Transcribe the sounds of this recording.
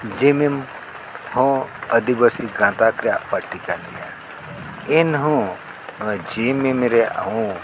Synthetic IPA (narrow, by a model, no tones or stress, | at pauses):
d͡ʒimim | hõəd̪ibəsiɡãːt̪akɾapəʈːikalḭja | inɦõ | d͡ʒimimɾeʔa̰ũ